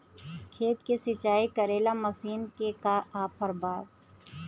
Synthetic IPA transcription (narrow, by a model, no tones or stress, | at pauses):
kʰeːt̪kesɪt͡ʃaːikɐɾeːlamɐsiːnkekaʔaːpːəɾbaːd̪